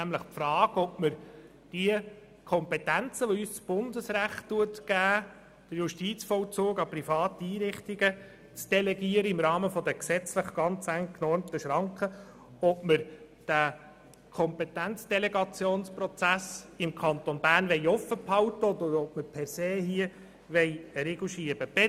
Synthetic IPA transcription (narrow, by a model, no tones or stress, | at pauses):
æmləχpfrɑːɡɔpməɾ | d̥iə | kʰɔmpetænt͡səʋoyːst͡sb̥ʊnd̪əsɾæχtːuətɡ̥æː | d̥əɾjʊʃtiːt͡sfɔlt͡suːɡɑprifɑːtiiːɾɪχt̪iɡə | t͡sd̥ɛlɛɡiːəɾəɪmɾɑːməfɔd̥̪əksɛt͡sləχɡ̥ɑnt͡sæŋkʰnɔɾmt̪əʃɾɑŋkχə | ɔpməɾ | d̥æ | kʰɔmpɛt̪ænt͡sd̥elɛɡɑt͡sjoːnsprɔt͡sæsɪmkʰɑnt̪onbæːrnʋɛɪjɔfːəphɑwtəɔd̪əɔp̚məɾpʰɛɾseːɦiə | ʋɛɪɾeɡl̩ʃiəb̥əb̥ɛ